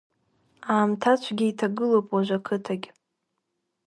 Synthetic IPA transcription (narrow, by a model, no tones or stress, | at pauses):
aːmtʰat͡ʃʷʰɡʲɪitʰaɡɨlowpʼwaʒʷakʰɨtʰaɡʲ